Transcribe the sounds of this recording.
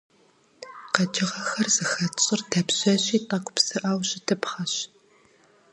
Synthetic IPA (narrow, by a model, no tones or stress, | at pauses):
qɐd͡ʒɪʁɐxɐrz̥ɨxɐt͡ʃʼɪrtʰɐpɕɐɕʼiːtʼɐkʷʰʼʊ̥psɨʔaːwɕʼɪtʰɨpχɐɕ